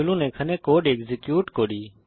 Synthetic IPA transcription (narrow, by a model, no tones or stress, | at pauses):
lũːnẽːkʰənẽːkoːɗeːkzekjuːʈkoːɗiː